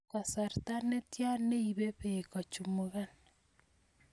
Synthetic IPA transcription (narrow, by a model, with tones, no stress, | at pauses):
ka˨sa˨ɾta˦ne˦tja˦ne˦i˨βe˦βe˨ka˨t͡ʃu˨mo˦ɣa˦n